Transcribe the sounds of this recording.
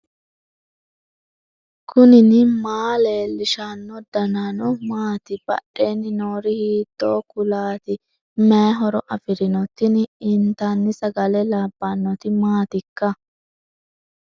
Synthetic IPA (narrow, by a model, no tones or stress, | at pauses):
kʰʊnɪnɪmaːleːlɪʃanːɔd̪ɐnanɔmaːt̪ɪb̥ɐ̰ɗeːnːɪnoːɾɪhiːt̪ːoːkʊlaːt̪ɪ | mɛːɦɔɾɔʔɐfɪɾɪnɔt̪ːɪnɪnt̪aːnːɪsɐɡɐlɛlaːbːanːɔt̪ɪmaːt̪ɪkːɐ